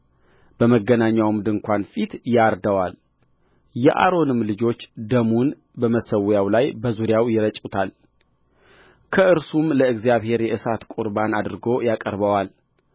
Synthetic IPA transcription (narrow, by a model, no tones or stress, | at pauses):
b̥əməɡːənaɲːawmd̪ɨŋkʷanfit̪jaɾd̪əwal | jɛʔa̰ɾo̞nɨmlɨd͡ʒo̞t͡ʃːd̪əmun | bəməsəwjawlajbəzuɾjawjɪɾət͡ʃʼut̪ʰal | kʰəʔɨɾsumləɨɡzjaβhe̞ɾjɛʔɨsat̪kʷʼuɾbanad̪ɨɾɡo̞jakʼəɾbəwal